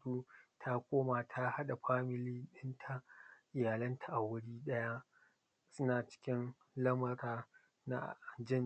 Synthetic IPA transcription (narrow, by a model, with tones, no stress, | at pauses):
uː˦tʰa˦kʷoː˦maː˨tʰa˦ha˦ɗa˨ɸaː˦mɪ˨liː˦ɗɪ˦ntʰa˨ʔɪ˨jaː˨lɐ˦ntʰa˨ʔa˨wʊ˦ɽiː˦ɗɐ˦ja˦ | sʊ˦naː˨t͡ʃɪ̥˦kʲɪ˦n | lɐ˦mɐ˨ɾaː˨ | na̰˦˨d͡ʒɪ˦˨n